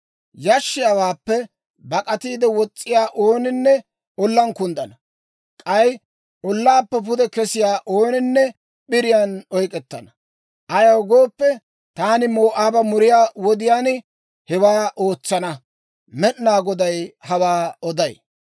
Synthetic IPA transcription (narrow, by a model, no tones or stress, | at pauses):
jɐʃːɪjɐwaːpːɛ | bɐkʼɐt̪iːd̪ɛwɔt͡sʼːɪjaːʔoːnɪnːɛ | ɔlːɐnkʊnd̪ɐnɐ | kʼɐj | ɔlːaːpːɛpʊd̪ɛkɛsɪjaːʔoːnɪnːɛ | ɓɪɾɪjanɔjkʼɛt̪ːɐnɐ | ʔɐjɐwɡoːpːɛ | t̪aːnɪmoːʔaːbɐmʊɾɪjaːwɔd̪ɪjaːn | hɛwaːʔoːt͡sːɐnɐ | mɛʔnaːɡɔd̪ɐjhɐwaːɔd̪ɐj